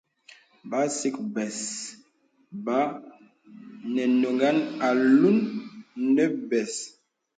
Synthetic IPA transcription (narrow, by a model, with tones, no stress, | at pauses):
ba˨˦si˦k̚bɛ˨s | ba˨˦ | nɛ˨no˨ŋɡa˦na˨lu˦nː | ɛ˦bɛ˨s